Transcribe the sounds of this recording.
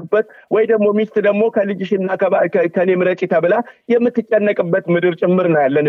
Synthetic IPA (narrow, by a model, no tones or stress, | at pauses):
bːət̪ | wɔjd̪əɡmo̞mist̪ʼd̪əɡmo̞kʰəlɨd͡ʒɪʃɪnɨnːaəkʰəne̞mɨɾət͡ʃʼit̪ʰabɨlajɛmːɨt̪ːɨt͡ʃʼːɛnːəkʼɨbːət̪mɨd̪ɨɾt͡ʃʼɪmːɨɾnəwjalːən